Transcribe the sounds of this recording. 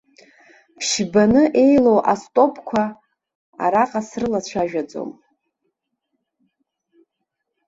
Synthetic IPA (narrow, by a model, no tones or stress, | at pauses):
pʰʃbanɨʔe̞jlo̞wʔastʼo̞pʰkʷʰa | a̰ɾaqʼasrɨlat͡ɕʷʰaʒᶣad͡zo̞̰m